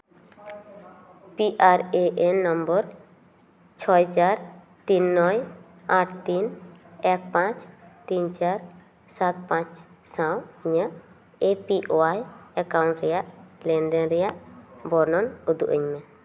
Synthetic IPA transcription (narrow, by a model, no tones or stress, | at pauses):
piʔaɾeʔenːɔmbɔɾ | t͡ʃʰɔjt͡ʃaɾ | t̪inːɔj | aʈʰt̪inɛk̚pãt͡ʃt̪int͡ʃaɾ | sat̪pãt͡ʃ | sãwiɲəʔ | epiʔoajɛkawɳʈɾɛjaʔlɛnd̪ɛnɾɛjaʔbɔɾnɔnud̪uʔəɲme